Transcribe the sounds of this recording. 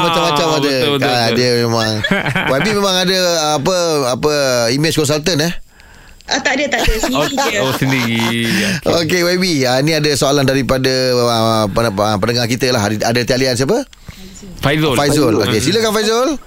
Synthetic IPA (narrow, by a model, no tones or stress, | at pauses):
mat͡ʃamːat͡ʃamadəadəmemãŋwabimẽmãŋadəpəapəimed͡ʒkɔns̬alt̪ənəh | ʔat̪aʔdiət̪a | osəndii | okewabiainĩadəsoalandaɾipadə | əəpənəŋahkit̪əlaɦadat̪ialians̬iap̬ə | fazfajzəlo̰kesiləkanfajzəl